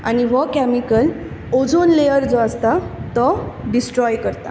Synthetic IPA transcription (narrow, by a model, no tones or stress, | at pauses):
a̰ñiʋɔkɛmikəl | od͡zonlejəɾd͡zoəst̪at̪ɔɖisʈɾɔjkəɾt̪a̰